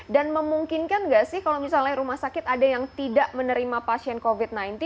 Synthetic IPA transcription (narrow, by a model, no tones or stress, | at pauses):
danməmuŋkɪnkanɡaʔsɪhkalowmisalaɾumahsakɪt̪adajaŋt̪idaʔmənəɾimapasiɛnkovit̪̚najnt̪